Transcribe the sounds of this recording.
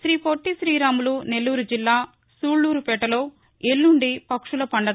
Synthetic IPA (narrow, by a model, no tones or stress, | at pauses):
sɾiːpoʈːisɾiːɾaːmulune̞lːuːɾud͡ʒilːaː | suːɭːuːɾupɛːʈɐloː | elːuɳɖipɐkʂulɐpɐɳɖɐ